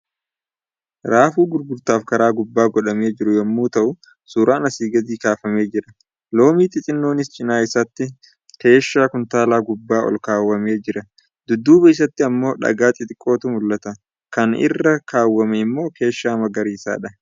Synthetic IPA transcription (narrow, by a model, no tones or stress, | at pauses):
ɾaːfuːɡʊɾbʊɾt̪aːfkɐɾaːɡʊbːaːɡɔᶑɐme̞ːd͡ʒɪɾʊjɐmːuːt̪ɐʔʊ | suːɾaːnɐsiːɡɐd̪iːkaːfɐme̞ːd͡ʒɪɾɐ | lo̞ːmiːt̪ɪt͡ʃʼɪnːo̞ːnɪst͡ʃʼɪnaːɪsɐt̪ːɪ | ke̞ːʃːaːkʊnt̪aːlaːɡʊbːaːʔɔ̰lkaːwːɐmeːd͡ʒɪɾɐ | d̪̥ʊd̪ːuːbɐɪs̬ɐt̪ːɪɐmːo̞ːᶑɐ̰ɡaːt̪ʼɪt̪ʼɪkʼːoːt̪umʊlːɐt̪ɐ | kɐnɪ̰rːɐkaːwːɐmɛɪmːo̞ːkʰe̞ːʃːaːmɐɡɐɾiːsa̰ːᶑɐ